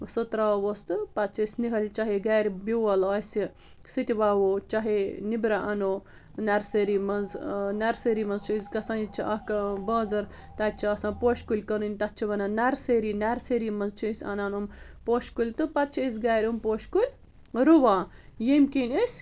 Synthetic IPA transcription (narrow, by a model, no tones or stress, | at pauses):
sɨt̪ɾawost̪ɨpɐt̪t͡ʃʰːsʲniɦɐlʲt͡ʃɐɦeɡaːɾʲbiwɐlɐːsʲi | sɨt̪ʲiʋaːwoːt͡ʃɐɦenibɾaʔɐnoː | nɛɾseɾimɐnznɛɾseɾiːmɐnzt͡ʃʰiizkɐsanit͡ʃʰiʔɐkɐbɐːzɐɾ | t̪ɐt͡ʃʰiɐsãːnpoːʃkulʲkɐnɨnʲt̪ɐtt͡ʃʰiʋɐnɐnɛɾseɾiːnɛɾseɾiːmɐnzt͡ʃʰiisʲɐ̰naːnumpoːʃkulʲt̪ɨpɐt̪̚t͡ʃʰiis̬ʲɡaːɾʲumpoːʃkulʲ | ɾuʋãːjemkinʲesʲ